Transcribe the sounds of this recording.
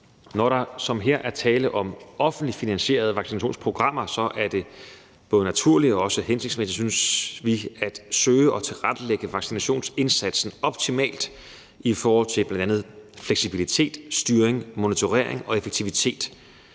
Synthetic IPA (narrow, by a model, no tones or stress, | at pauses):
nɒɾ̥ɑ̈sɒ̽mɦeɐ̰ʔæɐt͡sʰɛːləʔɒ̽mɒ̽fn̩d̥lifinænɕe̝̰ːɐð̞ˠəʋɑ̈ɡ̥sinæɕo̝̰ːnspʰʁo̝ɡ̥ʁɑ̈m̰ɐsɒ̽ʔæɐd̥e̝ | b̥ɔ̽ːðənæt͡sʰuɐ̰liɒ̽ɒ̽səhense̝ɡ̥smesid̥synsʋiæd̥søːəɒ̽t͡sʰe̝lʁad̥əleɡ̥əʋɑ̈ɡ̥sinæɕo̝̰ːnse̝nsæd̥sn̩ɒ̽b̥̚t͡sʰimɛ̰ːld̥ | ifɒːhɒ̽l̰t͡sʰe̝b̥lænd̥ænð̞̩ˠfleɡ̥sib̥ilit͡sʰe̝̰ːd̥sd̥yːɐeŋmo̝nit͡sʰo̝ʁḛɐ̰eŋɒ̽e̝feɡ̥̚t͡sʰiʋit͡sʰe̝̰ːd̥